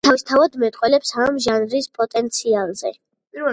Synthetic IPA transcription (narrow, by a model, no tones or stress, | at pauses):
t̪ʰavist̪ʰavad̪mɛt̪ʼqʼwɛlɛpsamʒanvɾispʼɔt̪ʼɛnt̪sʰialˠzɛ̰